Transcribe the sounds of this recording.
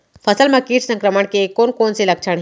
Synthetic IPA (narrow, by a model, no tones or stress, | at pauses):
pʰɐsəlmẽkiːʈsə̃ŋkɾəməɽ̃kekoːnkoːnselɐkʃʰəɽ̃ɦ